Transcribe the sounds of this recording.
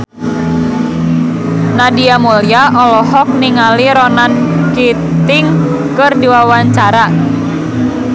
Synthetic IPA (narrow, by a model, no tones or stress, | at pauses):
nadiamoljaʔɔlɔɦɔk̚niŋaliɾɔnanki | t̪ɪŋ | kɨrdiwawaɲt͡ʃaɾa